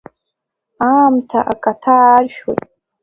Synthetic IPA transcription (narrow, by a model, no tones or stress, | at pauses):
amtʰa̰ʔakʼatʰarʒᶣwo̰jtʼ